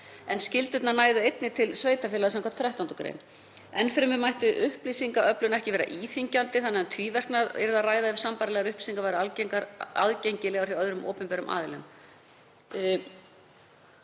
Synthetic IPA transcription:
ɛnscɪlt̪ʏt̪nanaːjðʏejt̪nɪt̪ʰɪlsveːjt̪afɪlaðsɛmkʰɔat̪θɾɛht̪ant̪ʏkɾḛjn | ɛnfɪɾɪmɪmajht̪ʏʔʏhpliːsiŋkaʔœplʏnaɛhcɪvɛːɾa̰ʔiːθiɲcant̪ɪθanːɣɛnt̪ʰviːvɛr̥knaðɛ̰ɾɪðaraːjðaɪvsampaɾalɛɣaɾʏhpliːsiŋkavajɾɪalcŋaɾa̰ðcejɲcɪlɛɣawɾ̥jiœðɾʏmʔo̰ːpɛmpɛɾʏmʔa̰ːðɪlʏm

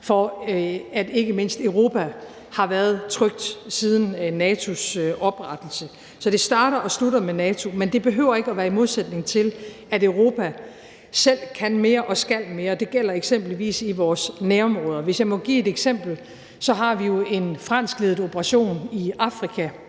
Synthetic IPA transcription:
fɒ̽ | æd̥e̝ɡ̥əme̝n̰sd̥øʊʁo̝ːpʰæ | hɑ̈ʋæːɐðˠt͡sʰʁœɡ̥̚d̥sið̞ˠn̩ːɛːt͡sʰo̝sɒ̽b̥ʁäd̥l̩sə | sɒd̥e̝sd̥ɑ̈ːɾɐʔɒ̽sludɐmenɛːt͡sʰo̝mend̥e̝b̥e̝ɦø̰ʊɐe̝ɡəɒ̽ʋæːɐimo̝ð̞ˠsed̥ne̝ŋt͡sʰe̝l | æɾøʊʁo̝ːpʰæ | sel̰kʰænme̝ːɐʔɒ̽sɡ̥æl̰me̝ːɐd̥e̝ɡ̥el̰ɐeɡ̥sem̰b̥liʋḭːsiʋɒːsnæːɐɒ̽mʁɔ̽ːð̞ˠɐʋe̝sjɑ̈ɪmɒ̽ɡ̥ḭːe̝d̥eɡ̥sem̰b̥l̩ | sɒ̽ɦɑ̈ʋijo̝e̝nfʁɑ̈n̰sɡ̥le̝ːð̩ˠob̥ʰəʁɑ̈ɕo̝̰ːniɑ̈fʁikʰæ

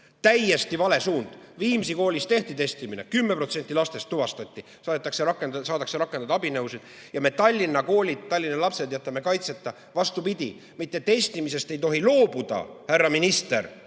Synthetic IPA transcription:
t̪æjːe̞st̪ivɑle̞suːnd̪̥viːmisiko̞ːlʲist̪e̞ht̪it̪e̞st̪imine̞̰kymːe̞pro̞t̪se̞nʲt̪ːˑilɑst̪e̞st̪ːuvɑst̪ɑt̪ʲːi | sɑːt̪ːˑɑkseɾɑkːˑensɑːd̪ɑkseɾɑkːˑe̞nd̪ɑd̪ɑɑbinɤwsid̪̥ | jɑme̞t̪ɑlʲːinːɑko̞ːlʲid̪̥̚t̪ːɑlʲːinːɑlɑpse̞d̪jɑt̪ːˑɑme̞kɑjt̪se̞t̪ːˑɑ | vɑst̪upid̪̥ʲi | mit̪ːˑe̞t̪e̞st̪imise̞st̪e̞jt̪o̞ɦilo̞ːb̥ud̪̥ɑ̰hærːɑminist̪e̞̰ɾ

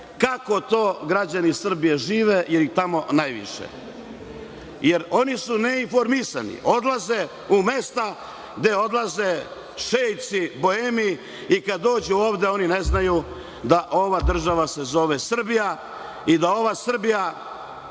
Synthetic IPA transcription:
kako̞t̪o̞ːɡɾad͡ʑanisr̩bijeʒiːʋejeɾit̪amo̞najʋḭʃḛ | jeɾo̞nisuneinfo̞ɾmisa̰nḭʔo̞d̪lˠaze | ume̞st̪a | ɡd̪eo̞d̪lˠaze̞ | ʃejt̪sibo̞emi | ikad̪ːo̞ːd͡ʑuoːʋd̪e̞o̞nineznaju | d̪aʔo̞ʋad̪r̩ʒaʋase̞zo̞ʋesr̩bija | id̪ao̞ʋasr̩bija

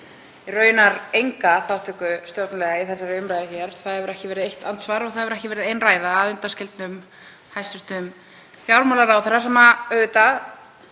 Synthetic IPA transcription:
irœːɥjʏnaɾejŋkaθawht̪ʰʏkʏst̪jowt̪nalɛɣaiθɛsːaɾɪʏmɾajðɪçɛɾ̥θaðhɛvʏɾɛhcɪvɛːɾɪðejht̪ant̪svaɾɔɣθaðɛvʏɾɛhcɪvɛɾɪðejnraːjðaaðʏnt̪ascɪlt̪nʏm | hajst̪ʏ̥ɾ̥t̪ʏm | θjawɾmalaɾawθɛrasɛmaœːðʏt̪a

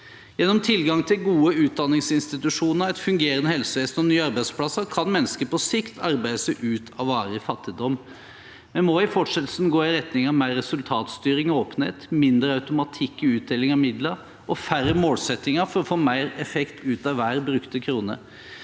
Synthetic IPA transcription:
jɛnːɔmt̪ʰɪlɡɑŋt̪ʰɪlɡuːəʉːt̪̚d̪ɑnːɪŋsɪnst̪ɪt̪ʉʂuːnəɾæɪt̪fʉŋɡeːɾənəhɛlsəʋeːsnɔnyːɑɾbæɪspʰlɑsəɾkʰɑnmɛnːəskəpɔsɪkt̪ʰɑɾbæɪd̪əsɛʔʉːt̪ʰɑʋɑːɾɪfɑt̪ːɪd̪ɔmː | mɛnmoɪfɔʈʂɛt̪l̩sn̩ɡoːɪɾɛt̪nɪŋɑmæɪɾːɛsʉlt̪ʰɑːt̪st̪yːɾɪŋɔoːpənhḛːt̪mɪnd̪ɾəɑʉt̪ʊmɑt̪ʰɪkːɔʉːt̪̚d̪eːlɪŋɑʋmɪd̪ləɾ | ʔɔfæɾəmoːlsɛt̪ːɪŋəfɔɾɔfoːmæɪɾɛfɛkt̪ʰʉːt̪ɑʋʋæːɾbɾʉkt̪əkʰɾuːnə̰

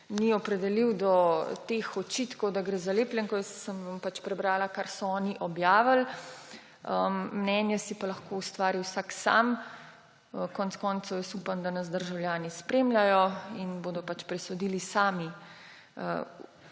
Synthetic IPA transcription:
niɔpɾɛd̪ɛliwd̪ɔt̪exɔt͡ʃit̪kɔwd̪aɡɾeːzaleːplʲjɛŋkɔjəsːəmʋampat͡ʃpɾɛbɾaːlakaɾsɔɔːniʔɔbjaːʋəl | əːnɛːnjɛsipalɐxkoust̪ʋaːɾiwsaksa̰m | əkɔntskɔːnt̪sɔwjɛst̪upand̪anɐzd̪əɾʒawljaːnispɾemlʲjajɔinboːd̪ɔpat͡ʃpɾɛsɔd̪ilisaːmi | ə

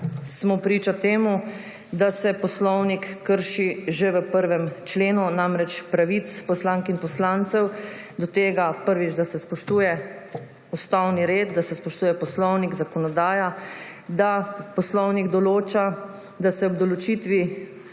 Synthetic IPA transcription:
smɔpɾiːt͡ʃat̪eːmu | d̪asɛpɔslɔwnikːəɾʃiʒeʋəpəɾʋɛmt͡ʃleːnunamɾɛt͡ʃpɾaʋit̪spɔslaŋkinpɔslaːnt̪sɛw | d̪ɔt̪eːɡapəɾʋid͡ʒd̪asɛspɔʃt̪uːjɛ | ust̪awniɾeːd̪̚d̪asɛspɔʃt̪uːjɛpɔslɔwniɡzakɔnɔd̪aːja | d̪apɔslɔwniɡd̪ɔloːt͡ʃa | d̪asɛɔb̚d̪ɔlɔt͡ʃit̪ʋi

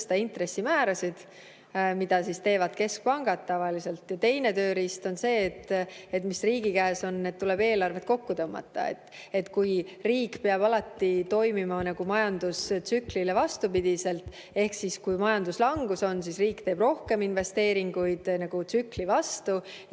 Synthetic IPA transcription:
st̪ɑint̪ɾe̞sːimæːɾɑsid̪̥ | mid̪̥ɑsist̪e̞ːvɑd̪̥ke̞sk̚pɑŋɡ̥ɑd̪̥̚t̪ːɑvɑlise̞lt̪ˑjɑt̪e̞jne̞t̪ø̞ːɾist̪o̞nse̞ːt̪ːet̪misriːɡikæːso̞nːet̪t̪ːule̞b̥e̞ːlɑrve̞t̪̚ːˑko̞kːut̪ɤmːɑ̰t̪ˑːɑ̰ḛt̪ː | e̞t̪kujriːkpeɑb̥ɑlɑt̪ːit̪o̞jmimɑnɑɡ̥umɑjɑnd̪̥ust̪syklilevɑst̪upid̪̥ise̞lt̪ | e̞hksiskujmɑjɑnd̪uslɑŋɡ̥uso̞nsisriːkt̪e̞ːb̥ro̞hke̞minve̞st̪e̞ːɾiŋɡujd̪̥nɑɡ̥ut̪syklivɑst̪u

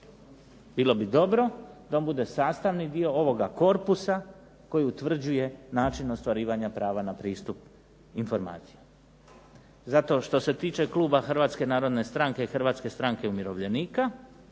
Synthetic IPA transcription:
biːlˠo̞bid̪o̞bɾo̞d̪aombud̪e̞saːst̪aʋnid̪io̞o̞ʋoɡako̞ɾpusa | ko̞jiut̪ʋr̩d͡ʑuje̞naːt͡ʃino̞st̪ʋaɾiːʋaɲapɾaːʋanapɾiːst̪up | info̞ɾma̰ːt̪si̥ja | zat̪o̞ʃt̪o̞se̞t̪iːt͡ʃe̞kluːbaxr̩ʋaːt̪ske̞naːɾo̞d̪ne̞st̪ɾaŋke̞ixr̩ʋat̪ske̞st̪ɾaŋke̞umjiɾo̞ʋʎe̞niːka

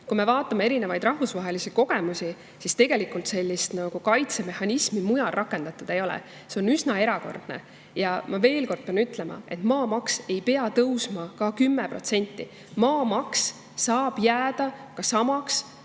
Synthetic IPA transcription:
kume̞vɑːt̪ˑːɑmeeɾinevɑjd̪̥rɑhvusvɑɦe̞lisiko̞ɡ̥e̞musʲi | sist̪e̞ɡ̥e̞likˑult̪se̞lʲːist̪nɑɡ̥ukɑjt̪se̞me̞hɑnʲismimujɑlrʔɑkːˑe̞nd̪̥ɑt̪ːˑud̪̥e̞jo̞lɛ̰ | se̞o̞nysnɑe̞ɾɑko̞̰rd̪̥ne̞̰ | jɑmɑve̞ːlko̞rd̥̪̚peɑnyt̪ˑle̞mɑ̰e̞̰t̪ːˑmɑːmɑkse̞jpe̞ɑt̪ɤwsmɑkɑkymːepro̞̰t̪se̞nʲt̪ˑːi | mɑːmɑksː | ɑːb̥jæːd̪̥ɑkɑsɑmɑks

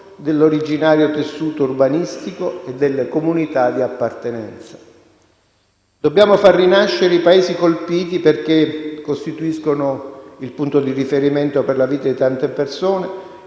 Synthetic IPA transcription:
d̪elːoɾid͡ʒinaːɾjot̪esːuːt̪ourbanist̪ikoed̪ːelːekomunit̪ad̪iapːart̪enɛnt̪sḁ | d̪obːjaːmofarːinaʃːeɾeipaeːzikolpiːt̪̬iperk̟ekːost̪it̪uiskonoilpunt̪od̪irifeɾiment̪operlaviːt̪ad̪it̪ant̪epersoːne

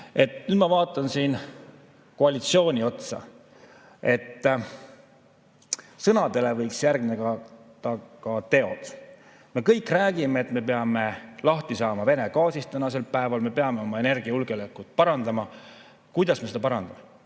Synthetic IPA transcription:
e̞t̪ˑnyd̪̥mɑvɑːt̪ːˑɑnsiːn | ko̞ɑlit̪sio̞ːnʲio̞t̪sɑ̰ | e̞t̪ː | sɤnɑd̪̥e̞le̞vɤjksjærɡmineɡɑt̪ɑkɑt̪e̞o̞d̪̥ | me̞kɤjkːˑræːɡ̥imeːt̪me̞p̬eɑme̞lɑht̪isɑːmɑve̞ne̞kɑːsist̪ænɑs̬e̞lpæe̞vɑlme̞pe̞ɑme̞o̞mɑe̞ne̞rɡ̥iɑjulɡ̥eolekːˑut̪̚ˑpɑɾɑnd̪̥ɑmɑ | kujd̪ɑsme̞sed̪ɑpɑɾɑnd̪̥ɑme

